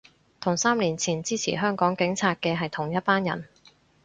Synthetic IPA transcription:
t̪ʰʊ˨˩ŋsaː˥mliː˨˩nt͡sʰiː˨˩nt͡siː˥t͡sʰḭː˨˩ɦœː˥ŋkɔː˨˥ŋkɪ˨˥ŋt͡sʰaː˧t̚kɛː˧ɦɐ˨jt̪ʰʊ˨˩ŋjɐ˥t̚paː˥njɐ̰˨˩n

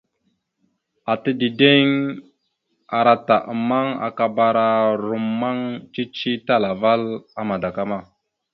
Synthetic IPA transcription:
a˨tə˦di˨de˦ŋ | a˨ɾa˨ta˨ʔə˨ma˦ŋa̰˨ka˨ba˦ɾa˦ɾu˨mːa˦ŋt͡ʃi˦t͡ʃi˦ta˦la˨va˦la˦ma˨da˨ka˦ma˦˨

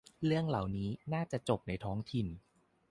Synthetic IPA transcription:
ɾɯ˥˩əŋla˨˩wniː˦˥naː˥˩t͡ɕa˨˩t͡ɕo˨˩p̚na˧jt̪ʰɔː˦˥ŋt̪ʰi˨˩n

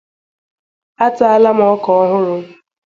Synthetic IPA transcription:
a˦tʊ˦a˦la˦m˦ɔ˦kɔ˨ɔ˦ɦʊ˦ɾʊ˨

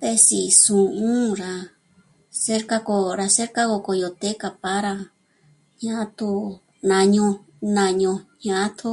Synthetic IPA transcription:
t̪e˧si˨sũ˨ʔũ˦ɾa˧ | se˦ɾka˦ko˧ɾa˧se˦ɾka˦ko˧ko˧jo˨t̪e˦ka˧˨pa˦ɾa˧ | ɲã˧˦t̪u˧ | nã˧ɲõ˧ | nã˧ɲõ˧ɲã˧ʔt̪ʰu˦

